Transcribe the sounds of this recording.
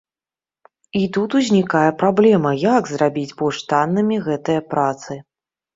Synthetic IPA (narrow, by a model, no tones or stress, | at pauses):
it̪ut̪uzʲnʲikajɛpɾablʲɛmɐjaɡzrabʲid͡zʲbuʂt̪anːɨmʲiɣɛt̪ɨjɐpɾat̪sɨ